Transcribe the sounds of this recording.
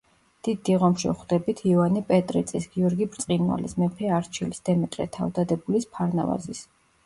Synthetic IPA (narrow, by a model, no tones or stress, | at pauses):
d̪̥id̪ːiʁɔmʃɛ̰χd̪ɛbit̪ʰiɔvanipʼɛt̪ʼɾit̪sʼisɡiɔɾɡibɾt̪sʼqʼinwa̰lḭsmɛpʰɛaɾt͡ʃʰilisd̪̥ɛmɛt̪ʼɾɛ̰t̪ʰa̰vd̪ad̪ɛbulispʰaɾna̰va̰zis